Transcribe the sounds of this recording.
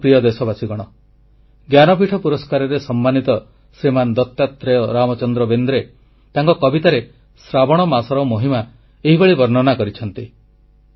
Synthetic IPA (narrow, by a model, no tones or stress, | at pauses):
pɾijɔd̪esɔbasiɡɔɽ̃ɔ | ɡjanɔpiʈʰɔpuɾɔskaɾɔɾesɔmːanit̪ɔ | sɾimand̪ɔt̪jat̪ɾejɔɾamɔt͡ʃɔnd̪ɾɔbend̪ɾe | t̪aŋkɔkɔbit̪aɾe | sɾabɔɽ̃ɔmasɔɾɔwmoɦima | eɦibeɭibɔɾnɔnakɔɾit͡ʃʰɔnt̪i